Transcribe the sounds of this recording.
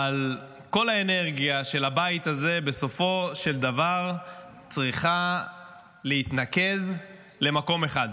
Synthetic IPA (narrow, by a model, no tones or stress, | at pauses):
al | ko̞laene̞ʁɡijaʃe̞labait̪aze̞be̞so̞fo̞ʃe̞ld̪avaʁ | t͡sʁiχa | le̞it̪nake̞z | le̞mako̞me̞χad̪